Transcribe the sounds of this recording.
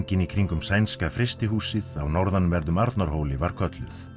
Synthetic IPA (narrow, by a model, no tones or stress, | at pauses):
ɲcɪnikʰɾiŋkʏmsajnskafɾɪst̪ɪɦuːsɪðawnɔwɾðanmvɛɾðʏmaɾt̪naɾ̥hoːwlɪvaɾ̥kʰœt̪lʏ̰θ